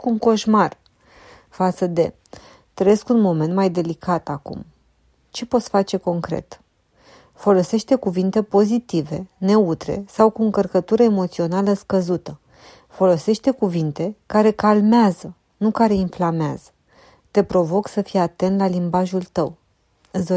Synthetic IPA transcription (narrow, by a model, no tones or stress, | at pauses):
kuŋko̞ʃmar | fat̪səd̪e̞̰ | t̪ɾəje̞skunmo̞ment̪majd̪e̞likat̪akṵm | t͡ʃe̞po̞t̪sfat͡ʃe̞ko̞ŋkɾe̞̰t̪ | fo̞lo̞se̞ʃt̪e̞kuvint̪e̞po̞zit̪ive̞ne̞ut̪ɾe̞̰sawkuɨŋkərkət̪uɾəemo̞t̪sio̞naləskəzut̪ə | fo̞lo̞se̞ʃt̪e̞kuvint̪e̞kaɾe̞kalmeazə | nukaɾe̞inflamea̰z̥ə | t̪e̞pɾo̞vo̞ksəfijat̪e̞nt̪lalimbaʒult̪əw | ɨsd̪o